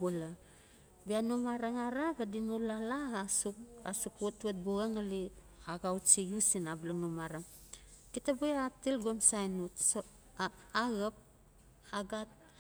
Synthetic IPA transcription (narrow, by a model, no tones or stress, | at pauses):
bula | bianumaɾaŋaɾabadinulalaɣasua̰sukwotuat̚buɣaŋali | aɡawt͡ʃijusinablanumaɾaŋ | kitabueatilɡomsajnutso | aɣap̚ | aɡat̚